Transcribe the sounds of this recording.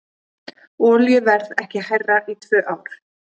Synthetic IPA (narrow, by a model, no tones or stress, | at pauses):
ɔːljʏvɛɾðɛhcɪhajrːaʔit̪ʰv̥œːʔaːwɾ̥